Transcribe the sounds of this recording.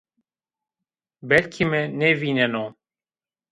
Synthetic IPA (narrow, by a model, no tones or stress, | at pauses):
bɛlkʰimɛnɛviːnɛno